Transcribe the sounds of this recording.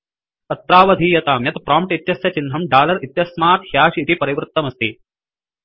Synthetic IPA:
ɐt̪ːɾaːʋɐd̪ʱiːjɐt̪aːmjɐt̪pɾaːmpʈit̪jɐsjɐt͡ʃind̪ʱɐmɖaːlɐɾit̪jɐsmaːt̪hjaːʃit̪ipɐɾiʋɾɨt̪ːɐmɐst̪i

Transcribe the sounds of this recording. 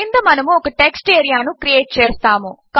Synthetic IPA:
ind̪ɐmɐnɐmuɔkɐʈeksʈeːɾijaːnukɾijeːʈ̚t͡ʃeːst̪aːmuk

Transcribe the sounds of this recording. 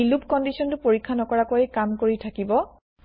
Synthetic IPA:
ilupkɔndisɔntʊpoɹikʰːanɔkɔɹakojɛkamkoɹitʰakibɔ

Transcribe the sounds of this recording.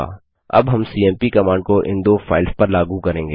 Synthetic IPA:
ɐ̰bɦɐmsiːɛ̃ːmpikɐmaːɳɖkoʔɪ̰̃nd̪oːfʰaːɪlspɐɾlaːɡukɐɾẽːŋɡeː

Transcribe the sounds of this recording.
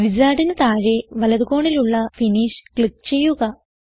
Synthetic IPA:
ʋizaːɽinɨt̪aːɻeʋɐlɐðuɣo̞ːɳiluɭːɐfiniːʂkɭik̚ːt͡ɕe̞jːuɣɐ

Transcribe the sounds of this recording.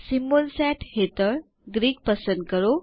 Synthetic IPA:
simbəlsɛʈhet̪əɭ | ɡɾiːk̚pəsənd̪̚kəɾo

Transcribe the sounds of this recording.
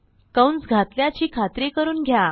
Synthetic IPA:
kəwnt͡sɡʱat̪ljat͡ɕiːkʰat̪ɾekəɾuːnɡʱja

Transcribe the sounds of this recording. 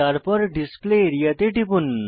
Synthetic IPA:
aɾpəɾɖispleːɾijat̪eʈipun

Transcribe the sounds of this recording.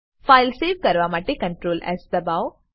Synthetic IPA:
faːɪlseːʋkɐɾʋamaːʈekɐ̃ɳʈɾoːlɛ̰ːsd̪ɐbaw

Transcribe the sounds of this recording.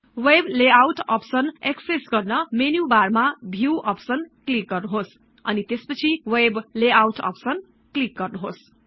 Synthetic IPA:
webleawʈʌ̰psʌneksesɡʌrnʌmenjubarmabʱiwʔʌpsʌnklik̚ɡʌrnuɦos | ʌnit̪espʌt͡sʰiwebleawʈʌ̰psʌn | klik̚ɡʌrnuɦos

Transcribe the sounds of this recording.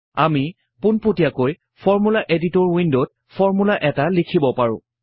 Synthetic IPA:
ami | pʊnputijakoj | fʰɔɹmulaʔeditɔɹwindot̚ | fʰɔɹmulaʔɛtalikʰibɔpaɹʊ̰̃

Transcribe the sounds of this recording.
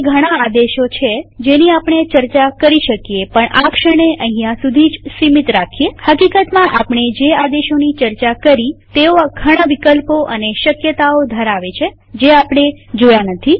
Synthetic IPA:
ɡʱəɽ̃aːd̪eʃot͡ʃʰed͡ʒeniapɳ̃et͡ʃəɾt͡ʃakəɾiʃəkijepəɳʔakʃəɽ̃eʔəɦĩjãsud̪ʱid͡ʒsimit̪ɾakʰijehəkikət̪mãʔapɳ̃ed͡ʒead̪eʃonit͡ʃəɾt͡ʃakəɾit̪eoɡʱəɽ̃aʋikəlpoʔəneʃəkjət̪aod̪ʱəɾaʋet͡ʃʰe | d͡ʒeapɳ̃ed͡ʒojanət̪ʰi

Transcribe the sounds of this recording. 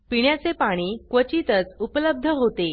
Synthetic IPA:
piɳjat͡sepaɽ̃iːkʋət͡ɕit̪ət͡supələb̚d̪ʱəɦot̪e

